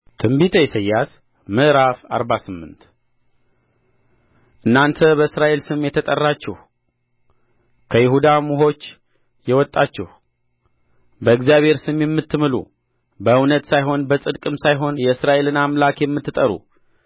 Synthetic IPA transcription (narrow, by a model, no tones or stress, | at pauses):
t̪ʰɨmbit̪ʰəjɛsəjːas | məʔɾafaɾbasɨmːɨ̰nt̪ | ʔɨnːant̪ʰəbəɨsɾaʔe̞lsɨmjɛt̪ʰət̪ʼərːat͡ʃːɛh | kʰəjɪhud̪amuɦo̞t͡ʃː | jɛwɔt̪ʼːat͡ʃːɛh | bəɨkzjaβhe̞ɾsɨmjɛmːɨt̪ːɨmɨlṵ | bəɨwnət̪sajɦo̞nbəsʼɨd̪kʼɨmsajɦo̞njɛɨsɾaʔe̞lɨnamlakjɛmːɨt̪ːɨt̪ʼəɾṵ